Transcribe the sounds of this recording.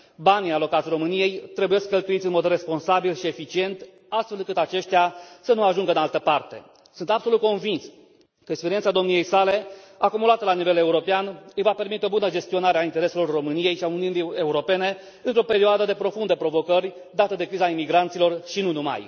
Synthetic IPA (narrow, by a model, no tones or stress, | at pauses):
banijalo̞kat̪sʲro̞mɨnije̞jt̪ɾe̞buje̞skkːəlt̪uit̪sʲɨnmo̞d̪re̞spo̞nsabilʃie̞fit͡ʃie̞nt̪ | ast̪fe̞lɨŋkɨt̪at͡ʃe̞ʃt̪easənuaʒuŋɡəɨnalt̪əpart̪e̞̰ | sunt̪abso̞lut̪̚ko̞nvins | kəekspeɾient̪sad̪o̞mnije̞jsale̞akumulat̪əlanive̞le̞uɾo̞peanɨjvape̞rmit̪eo̞bunəd͡ʒe̞st̪io̞naɾeaint̪e̞ɾe̞se̞lo̞rːo̞mɨnije̞jʃiauniunie̞uɾo̞pe̞ne̞ | ɨnt̪ɾo̞pe̞ɾioad̪əd̪e̞pɾo̞fund̪əpɾo̞vo̞kərʲ | d̪at̪əd̪e̞kɾizaimiɡɾant̪silo̞rʃinunuma̰j